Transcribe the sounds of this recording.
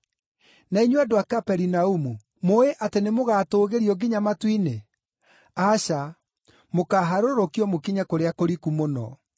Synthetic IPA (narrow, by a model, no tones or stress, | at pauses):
naiɲwadowakapɛɾinaumu | moeʔatenemoɣatoːɣeɾiɔɡiɲamatwine | aɕa | mokaɦaɾoɾokiɔmokiɲakoɾeakoɾikumonɔ̰